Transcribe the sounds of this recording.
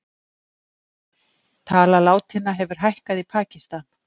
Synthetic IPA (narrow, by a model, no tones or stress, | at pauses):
t̪ʰaːlalaːwt̪hɪnːaɦɛvʏɾ̥ɦajhkaðipʰaːcist̪an